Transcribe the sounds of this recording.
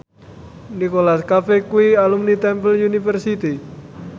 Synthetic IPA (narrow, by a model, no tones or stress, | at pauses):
nikolaskafɛkuialumnit̪ɛmpəljunifərsit̪i